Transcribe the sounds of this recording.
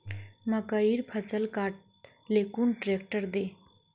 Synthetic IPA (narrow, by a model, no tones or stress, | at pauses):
məkəiːɾpʰət͡səlkaʈ̚ | lekuːnʈɾek̚ʈəɾd̪e